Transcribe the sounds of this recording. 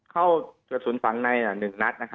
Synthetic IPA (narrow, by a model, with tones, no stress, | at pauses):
kʰa˥˩wkɯː˨˩t̪̚suː˩˦nfa˩˦ŋna˧jlaː˨˩nɯ˨˩ŋna˦˥t̪̚na˦˥kʰa˦˥